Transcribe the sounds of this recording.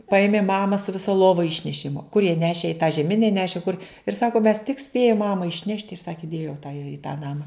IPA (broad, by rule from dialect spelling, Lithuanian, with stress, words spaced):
ˈpɐeːmʲeːm ˈmɑːmɐ sʊ ʋʲɪˈsɐ ˈlˠoːʋɐ ˈɪʃʲnʲɛʃʲeːm kʊr jiɛ ˈnʲæːʃʲeː ɪ tɑː ʒʲɛˈmʲɪnʲɛ ˈnʲæːʃʲeː kʊr ɪr ˈsɑːkʊ mʲɛs tʲɪk ˈsʲpʲeːjʊm ˈmɑːmɐ ɪʃʲˈnʲɛʃt ɪr ˈsɑːkʲɪ ˈdʲeːjoː tɐ jɛ ɪ tɑː ˈnɑːmɐ